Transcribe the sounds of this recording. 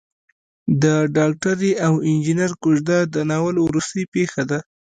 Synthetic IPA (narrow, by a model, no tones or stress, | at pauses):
d̪əɖɑk̚ʈaɾiʔawɪnd͡ʒinaɾkʊʒd̪ad̪ənawəlwɾust̪əjpexad̪a